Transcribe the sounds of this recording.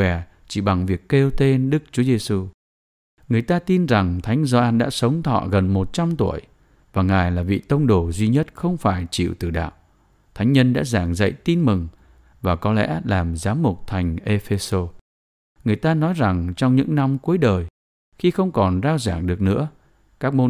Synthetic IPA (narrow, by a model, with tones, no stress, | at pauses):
ɛ˨˩ | t͡ɕi˧˩ɓa˨˩ŋvi˨˩əkːe˧wt̪e˧nɗɨ˦˥k̚t͡ɕu˨˦ze˧su˧ | ŋɨ˨˩əjt̪aː˧t̪i˧nza˨˩ŋt̪ʰa˨˦jŋ̟zɔ˧ʔaː˧nɗa̰ː˧˥sə˨˦wŋ͡mt̪ʰɔ̰˧˨ɣə˨˩nmo˨˩t̚t͡ɕa˧mt̪u˧˩əj | vaː˨˩ŋaː˨˩jlaː˨˩vḭ˧˨t̪ə˧wŋ͡mɗo˨˩zwi˧ɲə˦˥t̚xə˧wŋ͡mfaː˧˩jt͡ɕḭ˧˨wt̪ɨ˨˩ɗa̰ː˧˨w | t̪ʰa˨˦jŋ̟ɲə˧nɗa̰ː˧˥zaː˧˩ŋzə̰˧˨jt̪i˧nmɨ˨˩ŋ | vaː˨˩kɔ˨˦lɛ̰˧˥laː˨˩mzaː˨˦mːʊ˨˩k͡p̚t̪ʰa˨˩jŋ̟ʔe˧fe˧so˧ | ŋɨ˨˩əjt̪aː˧nɔ˨˦jza˨˩ŋt͡ɕɔ˧wŋ͡mɲɨ̰˧˥ŋna˧mku˨˦əjɗəː˨˩j | xi˧xə˧wŋ͡mkɔ˨˩nzaː˧wzaː˧˩ŋɗɨ˨˩ək̚nɨ̰˧˥ə | kaː˦˥k̚mo˧